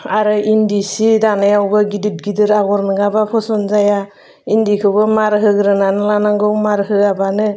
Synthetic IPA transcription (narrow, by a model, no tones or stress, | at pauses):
aɾɯindisidanajawbɯɡidit̚ɡidɯɾaɡɔɾnɯɡabapʰɔsɔnzaja | indikʰɯbɯmaɾɦɯɡɾɯnanɯlanaŋɡɯwmaɾɦɯabanɯ